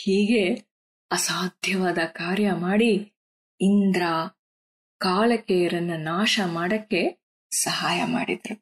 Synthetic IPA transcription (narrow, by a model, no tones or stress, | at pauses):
hiːɡe̞ | ɐsaːd̪ʱjɐʋaːd̪ɐkaːɾjɐmaːɽi | ind̪ɾaː | kaːlɐkejɐɾɐnːɐnaːʃɐmaːɽɐkːe̞ | sɐɦaːjɐmaːɽid̪ɐɾu